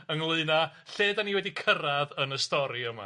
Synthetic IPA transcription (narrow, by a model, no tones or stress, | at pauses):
əŋlˠɨɨna | ɬeːdaniwɛdikʰəɾaðənəstɔɾiəma̰